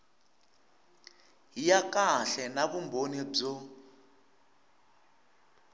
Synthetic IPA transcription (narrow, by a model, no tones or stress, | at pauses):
ɦijakaɬɛnaβumbʱonib͡ʐɔ